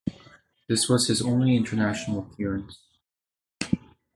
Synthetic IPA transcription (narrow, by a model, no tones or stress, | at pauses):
ðɪswʌz̥ɨzõʊ̃nliɪ̃ntʰə˞næʃn̩l̩ˠəpʰɪɹɨ̃ns